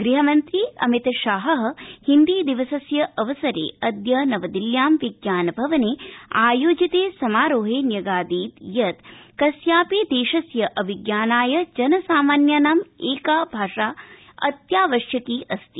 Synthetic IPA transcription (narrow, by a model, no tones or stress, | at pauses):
ɡɾiɦɐmɐnt̪ɾiɐ̰mit̪ɐʃaːɦɐɦɐ̆hind̪iːd̪iʋɐsɐsjɐʔɐʋɐsɐɾḛːɐd̪jɐnɐʋɐd̪iljaːmʋiɡjaːnɐbʱɐʋɐneːaːjoːd͡ʒit̪eːsɐmaːɾoːɦeːnjɐɡaːd̪iːt̪jɐt̪kɐsjaːpeːd̪eːʃɐsjɐʔɐʋiɡjaːnaːjɐd͡ʒɐnɐsaːmaːnjaːnaːmeːkaːbʱaːʃaː | ɐ̰t̪jaːʋɐʃjɐkiːʔɐst̪i